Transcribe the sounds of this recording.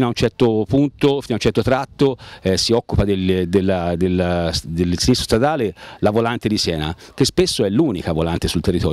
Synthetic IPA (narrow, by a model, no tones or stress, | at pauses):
inaunt͡ʃɛrt̪opunt̪ofinaunt͡ʃɛrt̪ot̪ɾat̪ːoɛsiɔkːupad̪ed̪elːad̪elːd̪elsinist̪ɾost̪ɾad̪aːlelavolant̪ed̪isjɛːna̰k̟espesːoɛlːuːnikavolant̪esult̪erːit̪ɔːɾ